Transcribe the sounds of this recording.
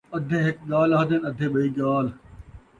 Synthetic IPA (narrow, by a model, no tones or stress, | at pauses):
ɐd̪ʱẽːɦɪk̚ɠaːlaɦɐd̪enɐd̪ʱẽːɓɐiːɠaːl